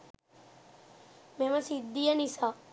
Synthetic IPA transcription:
meməsid̪ːijənisaː

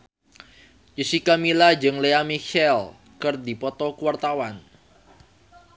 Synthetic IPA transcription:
jəsikamilad͡ʒɨŋleamiʃɛl | kərdipɔt̪ɔkuwart̪awan

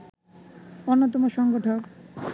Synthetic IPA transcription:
onːot̪̬omoʃɔŋɡoʈʰok

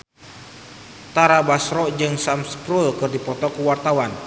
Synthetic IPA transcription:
t̪aɾabasɾɔʔd͡ʒɨŋsamspɾulkɨrdipɔt̪ɔkuwart̪awan

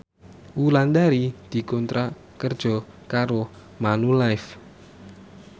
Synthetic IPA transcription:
wuland̪aɾid̪̥i̤kɔnt̪ɾa | kərd̥ʒ̥ɔ̤ | kaɾo | manulajf

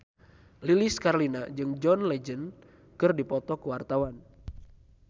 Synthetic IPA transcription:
liliskarlinad͡ʒɨŋd͡ʒɔnlɛd͡ʒən | kɨrdipɔt̪ɔkuwart̪awan

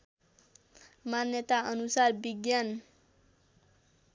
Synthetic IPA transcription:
manjʌt̪aʌnusarbiɡjan

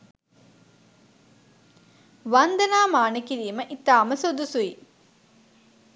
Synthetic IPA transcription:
ʋand̪ɐnaːmaːnekiɾiːməʔit̪aːməsud̪usui

